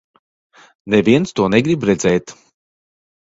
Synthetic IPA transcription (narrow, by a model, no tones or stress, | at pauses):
nɛviɛnst̪uɔnɛɡɾibɾɛd̪zɛjt̪